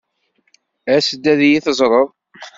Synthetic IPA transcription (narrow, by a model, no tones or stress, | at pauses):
æsəd̪ːæðjiθəzˤɾˤəðˤ